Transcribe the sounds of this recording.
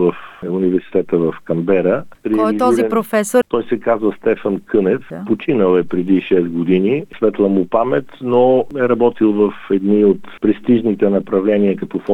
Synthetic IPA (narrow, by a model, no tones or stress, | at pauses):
vəfunivɛɾsi̥t̪ɛt̪əvɐfkɐmbɛɾəpɾiɔlizɔiziɛpɾofɛsot̪ɔjsɛkazvəst̪ɛfənkɤnɛfpot͡ʃinəlˠɛpɾɛd̪iʃɛsɡod̪inisvɛt̪lˠəmupamɛt̪noɛɾɐbɔt̪ilˠvəfɛd̪niot̪pɾɛst̪iʒnit̪ɛnɐpɾɐvlɛniəkɐt̪ɔfɔ